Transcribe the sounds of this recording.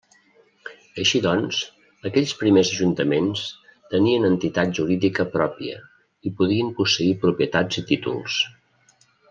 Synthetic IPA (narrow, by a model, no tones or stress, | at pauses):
əʃiðɔns | əkɛʎʲspɾimezəʒunt̪əmenst̪əniənənt̪it̪at̪̚ʒuɾiðikəpɾɔpiə̰ | ipuð̞iəmpusəipɾupiət̪ad͡zit̪it̪ṵlˠs